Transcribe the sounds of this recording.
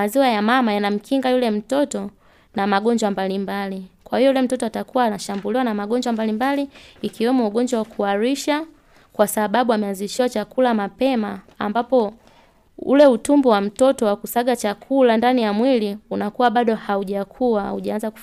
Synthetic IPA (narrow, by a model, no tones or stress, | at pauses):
aziwajamamajanam̩kʰiŋɡajulɛm̩tɔtɔ | namaɠɔɲd͡ʒwambalimbalikwahijɔulɛm̩tɔtɔatakuwaːnaʃambuliwanamaɠɔɲd͡ʒwambalimbaliːkiwɛmɔuɠɔɲd͡ʒwawakʰuaɾiʃa | kwasaɓaɓuamɛanziʃiwat͡ʃakulamapɛmaː | mbapɔ | ṵlɛutumbuwam̩tɔtɔwakusaɠat͡ʃakʰulandanijamwiliunakuwaɓaɗɔhauʄakʰuwa̰uʄaanzaku